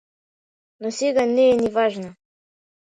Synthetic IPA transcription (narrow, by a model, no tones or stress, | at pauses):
nosiɡaneːnivaʒna